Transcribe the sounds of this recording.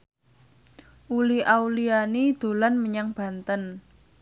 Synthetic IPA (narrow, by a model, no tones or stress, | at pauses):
ʔuliʔawlianid̪̥o̤lanməɲaŋb̥a̤nt̪ən